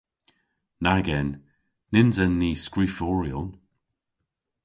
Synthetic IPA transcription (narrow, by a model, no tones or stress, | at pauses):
naɡɛnː | ɪnzɛnːiːskɹifɔːɹijɔn